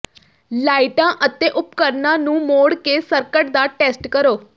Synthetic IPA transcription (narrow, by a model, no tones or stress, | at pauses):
laːiʈãːʔət̪eːʔʊp̚kəɾnãːnũːmoːɽkeːsəɾkəʈd̪aːʈɛːsʈkəɾoː